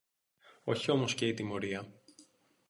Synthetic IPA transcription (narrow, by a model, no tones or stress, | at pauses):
o̞̰çio̞mo̞sce̞it̪imo̞ɾiɐ